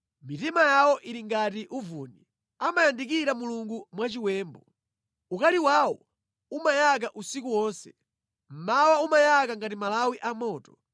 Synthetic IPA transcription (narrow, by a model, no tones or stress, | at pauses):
mitimajawɔʔiɾiŋɡatiʔuvuːni | amajandikiɾamuluŋɡumwat͡ʃiwɛːmbɔ | ukaliwaːwɔ | umajak̬aʔusikuwɔːnsɛ | m̩mawaumajakaŋɡatimalawiʔamɔːtɔ̥